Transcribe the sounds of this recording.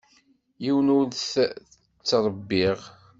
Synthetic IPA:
jiwənʊɾθə | t͡sːɾˤəbːiʁ

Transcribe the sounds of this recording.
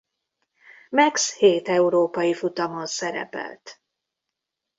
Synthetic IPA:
mɛksheːt̪ɛuɾoːpɒjifut̪ɒmonsɛɾɛ̰pɛ̰lt̪

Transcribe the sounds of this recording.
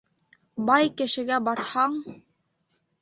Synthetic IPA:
bɑjkɘ̆ʃɘ̆ɡæbɑɾhɑɴ

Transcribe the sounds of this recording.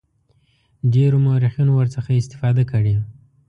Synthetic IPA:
ɖeɾomaɾixjunowəɾt͡səxaɪst̪ɪ̥fɑd̪akəɽi

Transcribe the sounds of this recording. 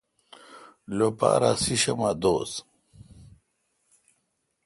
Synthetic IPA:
lopa̰ːɾa̰siɕɐmad̪oːs

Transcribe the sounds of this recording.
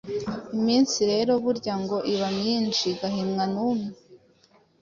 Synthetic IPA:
imiːnsiɾe̞ɾo̞βuɾɟaŋɡo̞ʔiβamɲinʃiɡaɦimŋanuːme

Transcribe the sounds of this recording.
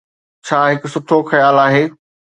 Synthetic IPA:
t͡ɕʰaːɦɪkʊsʊʈʰoxɐjaːlaːɦeː

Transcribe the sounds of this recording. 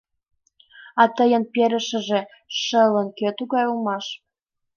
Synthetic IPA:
ɑt̪əjə̆npeɾə̆ʃə̆ʒe | ʃələnkøt̪uɣɑjulmɑʃ

